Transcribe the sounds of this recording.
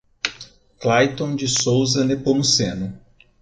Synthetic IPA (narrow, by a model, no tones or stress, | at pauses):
klajt̪õw̃d͡ʒɪsowzɐnepomusẽnʊ